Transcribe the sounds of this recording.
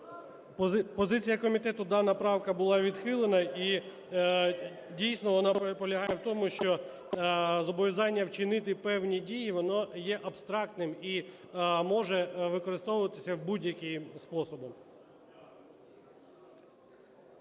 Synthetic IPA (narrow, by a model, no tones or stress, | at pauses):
ppɔzɪt͡sʲijɐkɔmʲit̪ɛt̪ʊd̪ɑnɐpɾɑwkɐbʊlˠɑʋʲid̪xɪlˠenɐi | dʲijsʲnɔʋɔnɑpɔlʲɐɦɑjɛwt̪ɔmʊʃt͡ʃɔ | zɔbɔʋʲizɑnʲːɐwt͡ʃɪnɪt̪ɪpɛwnʲidʲijiʋɔnɔjɛʔɐbst̪ɾɑk̚t̪nɪmi | mɔʒɛʋɪkɔɾɪst̪ɔwʊʋɐt̪ɪ̥sʲɐwbudʲjɐkʲijspɔsɔbɔm